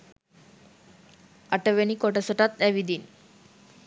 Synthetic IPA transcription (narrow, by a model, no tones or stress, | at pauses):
aʈəʋenikoʈəsəʈat̪̚aʋid̪iːn